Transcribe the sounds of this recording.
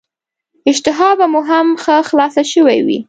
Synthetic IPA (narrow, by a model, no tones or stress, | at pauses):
ɪʃt̪ɪɦɑbamuɦamxəxlɑsaʃəwajwḭ